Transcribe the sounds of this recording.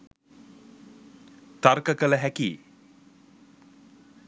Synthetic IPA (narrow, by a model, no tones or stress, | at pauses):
t̪arkəkələɦækiː